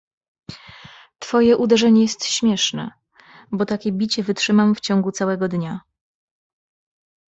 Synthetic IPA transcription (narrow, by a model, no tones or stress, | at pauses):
t̪fɔjɛʔud̪ɛʐɛɲɛjɛst̪ɕmʲjɛʂnɛ̰ | bɔt̪akʲɛbʲit͡ɕɛvɘtʂɘmamft͡ɕɔ̃ŋɡut̪sawɛɡɔd̪ɲa